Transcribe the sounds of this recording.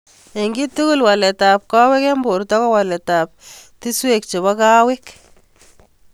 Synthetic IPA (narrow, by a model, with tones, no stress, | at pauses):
e˨ŋɡi˦tu˦ku˦lwa˨lɛ˨ta˨p̚ka˦wɛ˦ke˦mbo˨ɾtɔ˦kɔ˦wa˨lɛ˨ta˨p̚ti˦swe˦˨k̚t͡ʃe˨βɔ˦ka˦wɪ˦k